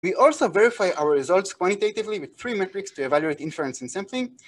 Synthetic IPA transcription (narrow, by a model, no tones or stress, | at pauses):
wiʔɔlsovɛɹifajʔawəɹɹizaltskwãntitetivliwiðθɹimɛtɹikstuɛvaljuetĩnfluɛ̃nsɛ̃nsʌ̃mθĩŋ